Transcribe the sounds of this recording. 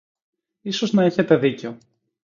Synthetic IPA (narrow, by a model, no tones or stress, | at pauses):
iso̞znɐeçe̞t̪e̞ðice̞o̞